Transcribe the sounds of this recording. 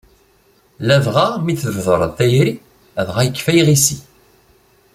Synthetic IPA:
lævʁamiθəvðˤəɾˤəðθæjɾi | æðʁæjəkːfæjʁisi

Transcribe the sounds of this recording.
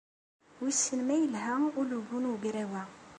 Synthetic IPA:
wisənmæjəlɦæulubunɡɾæwæ

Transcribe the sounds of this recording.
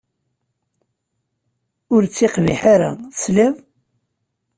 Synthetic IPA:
ʊɾt͡sːiqvḭħaɾa̰θsliðˤ

